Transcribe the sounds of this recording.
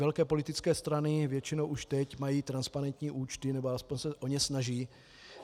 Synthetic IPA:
ɛlkɛːpo̞lɪt̪ɪt͡skɛːst̪ɾanɪvjɛt͡ʃɪnowʔuʃt̪ɛcmajiːt̪ɾanspaɾɛnt̪ɲiːʔuːt͡ʃt̪ɪnɛboaspo̞ɲsɛʔo̞ɲɛsnaʒiː

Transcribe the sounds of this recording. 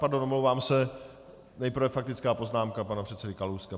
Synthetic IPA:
paɾdonʔomlowvaːmsɛ | nɛjpɾ̩vɛfak̚t̪ɪt͡skaːpo̞znaːmkapanapr̥ɛt̪t͡sɛdɪkaluwska

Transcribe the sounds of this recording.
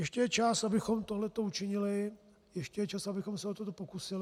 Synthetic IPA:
jɛʃcɛjɛt͡ʃasabɪxo̞mt̪oɦlɛt̪o̞ut͡ʃɪɲɪlɪ | jɛʃcɛjɛt͡ʃasabɪxo̞msɛot̪ot̪opo̞kusɪl

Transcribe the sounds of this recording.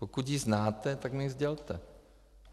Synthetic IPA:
pokut̪jiznaːt̪ɛt̪aknɛizɟɛlt̪ɛ

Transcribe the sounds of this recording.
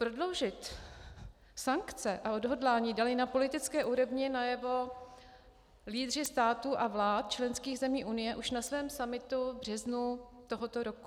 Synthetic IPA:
pɾo̞dlo̞wʒɪt̪ | saŋkt͡sɛʔao̞dɦo̞dlaːɲiːdalɪnapo̞lɪt̪ɪt͡skɛːʔuɾo̞vɲɪnajɛvo̞ | liːd̪r̝ɪst̪aːt̪uʔavlaːt̪̚t͡ʃlɛnskiːɣzɛmiːʔunɪjɛʔuʃnasvɛːmsamɪt̪ubr̝ɛznut̪o̞ɦot̪oɾoku̥

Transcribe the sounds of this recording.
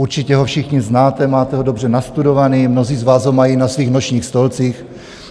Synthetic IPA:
uɾt͡ʃɪcɛɦofʃɪxɲɪznaːt̪ɛmaːt̪ɛɦodo̞br̝ɛnast̪udo̞vaniːmnoziːzvaːzɦomajiːnasviːxnoʃɲiːxst̪o̞lt͡siːx

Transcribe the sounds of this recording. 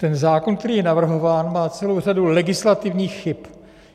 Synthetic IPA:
t̪ɛnzaːkonkt̪ɛɾiːjɛnavr̩ɦo̞vaːnmaːt͡sɛlo̞wr̝adulɛɡɪslat̪ɪvɲiːxːɪp

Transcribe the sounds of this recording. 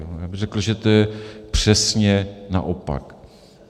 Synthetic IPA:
ojaːbɪɣrɛkl̩ʒɛt̪ojɛpr̝̥ɛsɲɛna̰ʔopa̰k

